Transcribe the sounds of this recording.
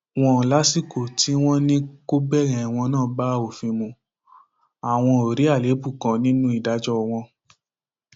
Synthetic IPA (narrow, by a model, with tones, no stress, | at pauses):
w̃ɔ̃˧˨la˨˦si˦˨ko˨ti˨˦w̃ɔ̃˦nĩ˦ko˦bɛ˦˨ɾɛ̃˨˧i˨w̃ɔ̃˧nãː˦˨˦ba˦˨o˨fĩ˧mũ˧ | a˨w̃ɔ̃˧o˨ɾi˨˦a˦˨le˨˦bu˦˨kã˨˧nĩ˦nũ˦i˦˨da˨˦d͡ʒɔ˦˧w̃ɔ̃˧